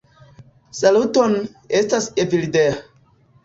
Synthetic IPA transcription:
saluton | estasevilidea

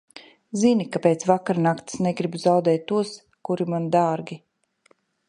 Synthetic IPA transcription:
zinikapeːt̪svakaɾnakt̪sneɡɾibzawd̪ɛːt̪̚ʲːuɔs | kuɾimand̪aːɾɡʲi

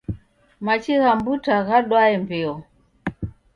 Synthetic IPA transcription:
mat͡ʃiɣambutaɣaɗwaɛmbɛɔ

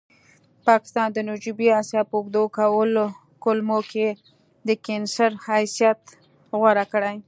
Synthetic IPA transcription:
pɑkɪ̥st̪ɑnd̪ənʊd͡ʒubiɑsjɑpəʊɡd̪okawəlo | kʊlmokʰe | d̪əkansaɾhajsjat̪ | ɣwaɾakɽaj

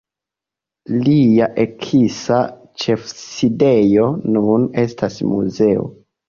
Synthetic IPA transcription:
liaʔekʰisa | t͡ʃe̞fside̞jo̞nune̞stasmṵze̞o̞̰

